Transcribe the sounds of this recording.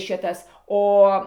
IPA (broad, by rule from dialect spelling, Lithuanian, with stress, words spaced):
ˈʃʲɪtɐs ˈoː